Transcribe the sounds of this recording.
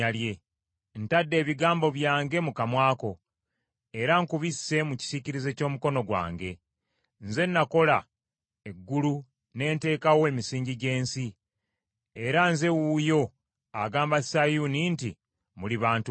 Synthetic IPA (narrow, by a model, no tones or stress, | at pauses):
alje̞ | n̩tadːe̞ːβiɡaːmbo̞βjaːŋɡe̞mukamwaːko̞ | e̞ɾaŋkuβisːe̞muci̥siciɾize̞co̞ːmuko̞no̞ɡwa̰ːŋɡe̞ | nze̞nːako̞la | e̞ɡːulu | ne̞ːnte̞ːkawoe̞misiːɲɟiɟe̞ːnsi | e̞ɾanze̞wujo̞ | aɡaːmbasajuninti | muliβaːntu